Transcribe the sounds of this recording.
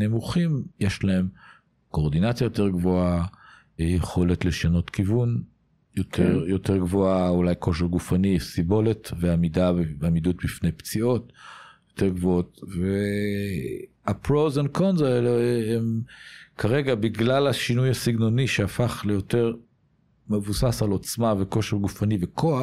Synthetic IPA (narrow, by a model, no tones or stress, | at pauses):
nemuχimjeʃlae̞m | ko̞ːʁd̪inat͡sjajo̞teʁɡvoa | jeχo̞letle̞ʃano̞tkivun | jotʰeʁjo̞teʁɡvoaulajko̞ʃeʁɡufanisibo̞letveamidaamidut̚bifne̞jpt͡sio̞tjote̞ʁɡvootve | apʁowzankʰonzaeleemkʰaʁeɡabiɡlalaʃinujhasiɡno̞niʃeafaχle̞jo̞te̞ʁ | me̞vusasalo̞t͡smaveko̞ʃeʁɡufanivekʰoa